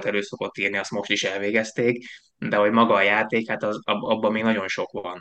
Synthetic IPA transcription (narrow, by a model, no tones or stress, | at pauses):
t̪ɛløːso̞ko̞t̪ːiːrniɒst̪mo̞ʃt̪iʃɛlveːɡɛst̪eːk | d̪ɛɦo̞ɟmɒɡɒːjaːt̪eːkhat̪ɒzɒbɒbːɒmeːɡnɒɟo̞nʃo̞kʋɒn